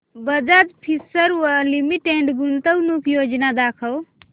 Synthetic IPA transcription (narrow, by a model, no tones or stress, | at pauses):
bəd͡ʒad͡ʒpʰisəɾəlimiʈeɳɖɡunt̪əwnukʰjod͡ʒnad̪akʰəw